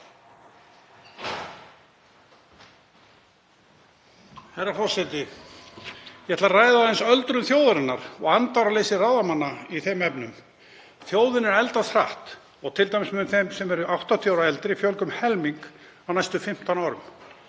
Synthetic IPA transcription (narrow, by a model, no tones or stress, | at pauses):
hajɾafɔsɛt̪ɪ | jɛhɛt̪laraːjðaɛnsœlt̪ɾʏmθjoːwðaɾɪnːaɾ̥ɔ̰ɣant̪awɾaleːjsɪrawðamanːaiθɛmɛpnʏm | θjoːwðɪnɛɾɛlt̪asɾaht̪ | ɔɣt̪ʰɪlt̪ajmɪsmɛðθɛjmsɛmɛɾʏʔawht̪at̪ʰjawɾaɛlt̪ɪɾifjœlkʏmhɛlmiŋk | awnajst̪ʏfɪm̥t̪anaːɾʏm